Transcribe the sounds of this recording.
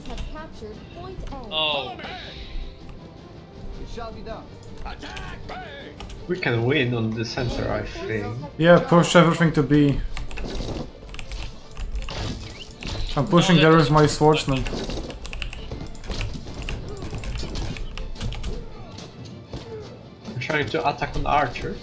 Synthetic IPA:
o | wikʰɨ̃nwɪ̃nə̃nðɨsɛ̃ntʰə̰˞a̰ɪfĩlˠjæpʰʊʃɛvɹɪθɪ̃ŋtʰɨbi | ãɪ̃mpʊʃɪ̃ŋðəɹɪzmaɪsfɔɹt͡ʃmə̃n | tʰɹ̥aɪɪ̃ŋtʰɨʔətʰakn̩a̰ɹt͡ʃə˞

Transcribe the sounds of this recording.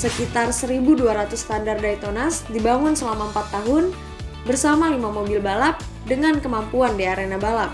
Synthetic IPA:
səkit̪arsəɾibuduaɾat̪ʊst̪andardait̪onasdibaŋʊnsəlamaəmpat̪ːaɦʊn | bərsamalimamobɪlbalap̚ | dəŋankəmampuandiaɾenabalap̚

